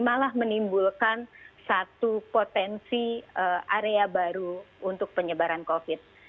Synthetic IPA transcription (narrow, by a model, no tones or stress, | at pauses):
malahmənimbulkansat̪upot̪ɛnsiəʔaɾeabaɾuːnt̪ʊk̚pəɲəbaɾankofɪt̪̚